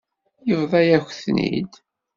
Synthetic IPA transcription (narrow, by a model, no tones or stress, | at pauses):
jəvðˤɑjæxθnḭd̪